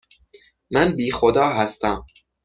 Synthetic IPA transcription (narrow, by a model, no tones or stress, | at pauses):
mænbiːxod̪ɒːɦæst̪æm